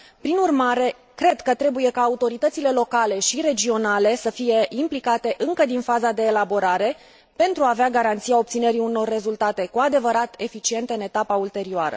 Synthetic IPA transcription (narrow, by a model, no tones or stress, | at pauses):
pɾinurmaɾe̞ | kɾe̞d̪kət̪ɾe̞buje̞kaːut̪o̞ɾit̪ət̪sile̞lo̞kale̞ʃiɾe̞d͡ʒio̞nale̞səfije̞ʔimplikat̪e̞ʔɨŋkəd̪infazad̪e̞ːlabo̞ɾaɾe̞ | pe̞nt̪ɾuaːveaɡaɾant̪siao̞p̚t̪sine̞ɾiuno̞rːe̞zult̪at̪e̞kuad̪e̞vəɾat̪e̞fit͡ʃie̞nt̪eɨne̞t̪apault̪e̞ɾioaɾə̰